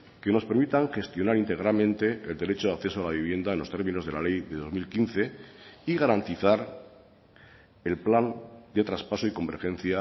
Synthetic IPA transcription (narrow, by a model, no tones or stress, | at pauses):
ke̞no̞spe̞ɾmit̪aŋxe̞st̪jo̞naɾint̪e̞ɣ̞ɾalmẽ̞nt̪e̞ːld̪e̞ɾe̞t͡ʃoðakθe̞soalaβ̞iβ̞je̞nd̪aenlo̞st̪e̞ɾmĩno̞zðe̞lale̞jðe̞ðo̞zmilkinθe̞iɣaɾant̪iθaɾ | e̞lpland̪e̞t̪ɾaspaso̞iko̞mbe̞ɾxẽ̞nθja